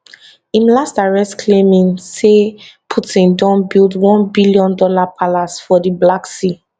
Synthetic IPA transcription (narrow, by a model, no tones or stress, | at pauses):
ĩmlasdaɹɛskʰlemĩnsepʰutĩndɔ̃nbilˠdwɔ̃nbiliɔ̃ndɔlapʰalasfɔdiblaksi